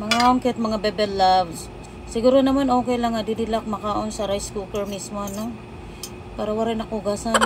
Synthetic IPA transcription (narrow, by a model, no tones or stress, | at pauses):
mɐŋaoŋkɛt̪̚mɐŋabɛbɛlːavs | sɪɡuːɾonɐmanoːkɛjlɐŋɐd̪ɪd̪ɪlak̚mɐkaːʔo̞nsɐɾajskukɛɹmismo̞ɐno | paːɾɐwɐɾajnɐŋʔʊɡaːsan